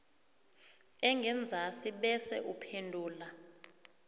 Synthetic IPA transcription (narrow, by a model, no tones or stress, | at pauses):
ɛŋɡʱɛnd͡zʱasiɓɛsɛ̰ʔupʰendʱuːla